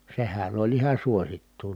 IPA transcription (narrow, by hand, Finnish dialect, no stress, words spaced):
sehæn olʲ ihɑ suositːuː